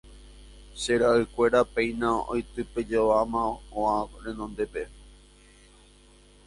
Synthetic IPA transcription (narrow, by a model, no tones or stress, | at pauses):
ʃeɾaʔɨkʷe̞ɾapẽ̞j̃não̰jt̪ɨpe̞d͡ʒoʋamãõãɾẽ̞nõnd̪e̞pe̞